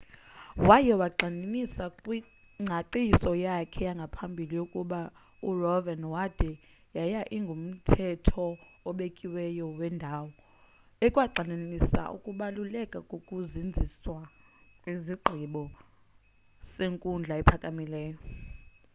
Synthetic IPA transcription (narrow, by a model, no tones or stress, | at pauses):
wajɛwaǃaninisakʼwi | ŋ͡ǀʱaǃisɔjakʰɛjaŋɡʱapʰambʱilijokʼuɓa | urɔvɛnwad̥ʱɛ | jajaʔiŋɡʱum̩tʰɛtʰɔːɓekʼiwɛjɔwɛndʱaːwɔ | ɛkʼwaǀʱaninisa̰ʔṵkʼuɓalulɛkʼakʼokʼuzind͡zʱiswa | kʼwiziɡ͡ǃʱiɓɔ | seŋkʼund͡ɮʱaɛpʰakʼamilɛːjɔ